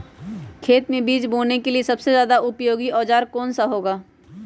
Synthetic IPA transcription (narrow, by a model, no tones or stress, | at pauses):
kʰeːt̪mẽbiːd͡ʒboːnekeliesɐbsezjaːd̪aʔʊpjoːɡiɔːd͡ʒaːɾkɔːnsaɦoːɡaː